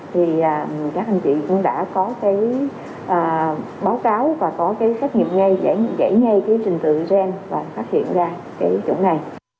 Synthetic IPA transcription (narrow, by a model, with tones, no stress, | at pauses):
t̪ʰi˨˩ʔaː˨˩kaː˦˥k̚ʔa˧jŋ̟t͡ɕḭ˧˨kʊ̰˧˥ŋ͡mɗa̰ː˧˥kɔ˨˦kaː˨˦j | ʔaː˨˩ | ɓaː˨˦wkaː˨˦wvaː˨˩kɔ˨˦kaː˨˦jsa˦˥k̚ŋḭ˨əmŋa˧jz̰jza̰˧˩jŋa˧jkaː˨˦jt͡ɕï˨˩ŋ̟t̪ɨ̰˧˨zɛ˧nvaː˨˩faː˦˥t̚hḭ˧˨ənzaː˧ | kaː˨˦jt͡ɕʊ̰˧˩˦nna˨˩j